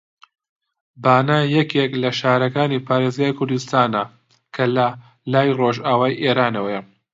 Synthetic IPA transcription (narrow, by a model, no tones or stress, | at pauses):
baːnajɐkʰeklɐʃaːɾɐkaːniːpʰaːɾeːzɡaːjkʰʊɾd̪ust̪aːnɐ | kʰɐlɐ | laːjroːʒaːwaːiʔeːɾaːnɐwɐjɐ